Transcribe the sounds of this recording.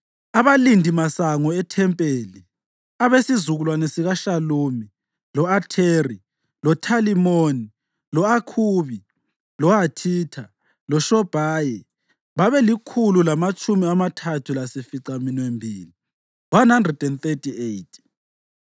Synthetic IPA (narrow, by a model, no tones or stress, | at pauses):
aβalindʱimasaŋɔɛtʰɛmpʼeːli | aβesizuɣulwanesiɣaʃaluːmi | lɔatʰeri | lɔtʰalimoni | lɔakʰuːβi | lɔɦatʰitʰa | lɔʃɔb̥ʱaːjɛ | βaβɛlikʰululamat͡ʃʼumiamatʰatʰulasifiǀaminwembʱḭːli | wanɦandrɛd̥ɛnθetʰʼiejtʰʼi̥